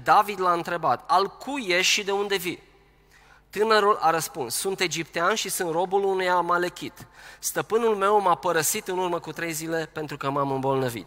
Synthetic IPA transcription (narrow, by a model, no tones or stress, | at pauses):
d̪avid̪laɨnt̪ɾe̞bat̪alkʰujeʃʃid̪e̞und̪e̞vi | t̪ɨnəɾulʔaɾəspunsːunt̪e̞d͡ʒipt̪eanʃisunt̪ro̞bulunujamalekʲit̪st̪əpɨnulme̞wmapəɾəsit̪ɨnurməkut̪ɾe̞jzile̞pe̞nt̪ɾukəmamɨmbo̞lnəvḭt̪